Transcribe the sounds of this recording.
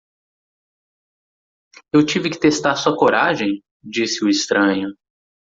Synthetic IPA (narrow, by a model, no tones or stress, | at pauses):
ewt͡ʃivɪkɪ̥t̪est̪aɾsuɐkoɾaʒẽj̃ | d͡ʒisɪʊɪst̪ɾɐ̃ɲʊ